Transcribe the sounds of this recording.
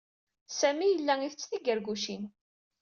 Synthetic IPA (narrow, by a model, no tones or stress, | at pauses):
sæmijəlːæiθət͡sːθiɡəɾɡuʃin